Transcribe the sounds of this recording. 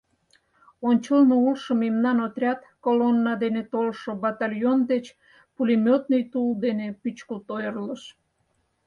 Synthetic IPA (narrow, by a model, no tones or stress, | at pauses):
onʲt͡ɕəlnoulʃəmemnɑnot̪ɾʲɑt̪kolonːɑd̪enet̪olʃobɑt̪ɑlʲjond̪et͡ɕ | pulʲimʲot̪nəjt̪uld̪enepyt͡ɕkəlt̪ojərləʃ